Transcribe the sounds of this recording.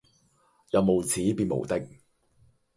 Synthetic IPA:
jɐ˨˧wmo˨wt͡sʰiː˨˥piː˨˧nmo̰˨˩wt̪ɪ˥k̚

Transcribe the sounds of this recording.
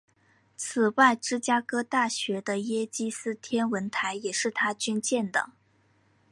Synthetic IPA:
t͡sʰɹ̩˨˩wa˥˩ɪʈ͡ʂɻ̩˥t͡ɕja˥kɤ˥t̪a˥˩ɕɥɛ˧˥d̪ə˧jɛ˥t͡ɕi˥sɹ̩˥t̪ʰjɛ˥nwə˧˥nt̪ʰa˧˥ɪjɛ˨˩ʂɻ̩˥˩t̪ʰa˥t͡ɕy˥nt͡ɕjɛ˥˩nd̪ə̰˨˩

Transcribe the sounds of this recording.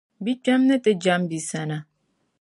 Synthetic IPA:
bi˦d͡ʒa˦mnɛ˦t̪ʼe˦d͡ʒa˦mbi˨sa˨na˨

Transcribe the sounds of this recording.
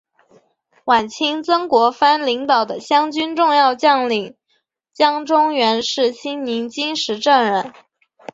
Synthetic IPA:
wa˨˩nt͡ɕʰi˥ŋt͡sɤ˥ŋkwɔ˧˥fa˥nli˧˥ŋt̪ɑ˨˩ʊd̪ə˦ɕjɑ˥ŋt͡ɕy˥nʈ͡ʂʊ˥˧ŋjɑ˥˧ʊt͡ɕjɑ˥˩ŋli˨˩ŋ | t͡ɕjɑ˥ŋʈ͡ʂʊ˥ŋɥɛ˧˥nʂɻ̩˥˩ɕi˥ŋni˧˥ŋt͡ɕi˥nʂɻ̩˧˥ʈ͡ʂə˥˧ŋɻə˥˩n

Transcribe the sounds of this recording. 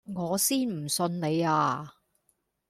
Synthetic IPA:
ŋɔː˨˧siː˥nm̩˨˩sɵ˧nle˨˧jaː˧

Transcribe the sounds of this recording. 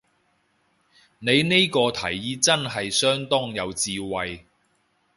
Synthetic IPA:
ne˨˧jne˥jkɔː˧t̪ʰɐ̰˨˩jːiː˨˥t͡sɐ˥nɦɐ˨jsœː˥ŋt̪ɔː˥ŋjɐ˨˧wt͡siː˧wɐ˨j

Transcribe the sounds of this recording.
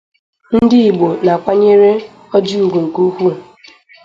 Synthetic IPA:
n̩˦dɪ˦i˨ɡ͡bo˨na˨kʷa˦ɲe˦ɾe˦ | ɔ˦d͡ʒi˦u˨ɡʷu˨ŋ̩˨ku˦hu˦˨

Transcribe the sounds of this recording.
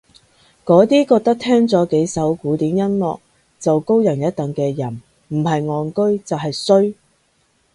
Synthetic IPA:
kɔː˨˥t̪iː˥kɔː˧k̚t̪ɐ˥k̚t̪ʰɛː˥ŋt͡sɔː˨˥ke˨˥jsɐ˨˥wkuː˨˥t̪iː˨˥mjɐ˥nlɔ̰ː˨k̚ | t͡sɐ˨wko˥wjɐ˨˩njɐ˥t̚t̪ɐ˨ŋkɛː˧jɐ˨˩n | m̩˨˩ɦɐ˨jŋɔː˨nkɵ˥ɥt͡sɐ˨wɦɐ˨jsɵ˥ɥ

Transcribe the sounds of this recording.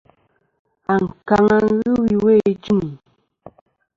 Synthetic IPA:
a˨ŋ̩˨ka˨ŋa˦ɣɨ˦wi˨we˦˨d͡ʒu˦˨ŋi˨

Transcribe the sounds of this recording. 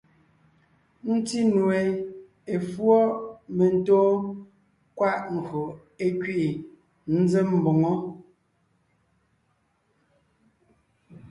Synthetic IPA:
n̩˦ti˦nu˨e˨ | e˨fwɔ˦me˨n̩˨tɔː˦ | kwa˦ʔŋ̩˨kɰo˨ | e˦kɥi˦˨ | n̩˦ze˦m̩˨bo˨ŋɔ˦

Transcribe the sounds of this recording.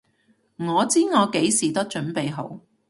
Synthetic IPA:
ŋɔː˨˧t͡siː˥ŋɔː˨˧ke˨˥jsiː˨˩t̪ɐ˥k̚t͡ʃɵ˨˥npe˨jɦo˨˥w

